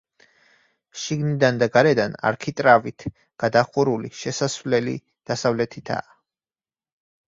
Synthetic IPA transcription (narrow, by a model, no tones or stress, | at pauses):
ʃiɡnid̪and̪aɡaɾɛd̪ana̰ɾkʰit̪ʼɾavit̪ʰ | ɡ̥ad̪aχuɾuliʃɛsasvlɛlḭ | d̪̥asavlɛt̪ʰit̪ʰa̰ː